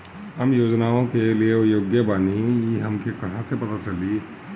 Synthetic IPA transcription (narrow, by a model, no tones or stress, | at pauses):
ɦəmjoːd͡ʒnaõkeliejoɡjəbaniiɦəmkekɐɦãsepɐt̪at͡ʃəli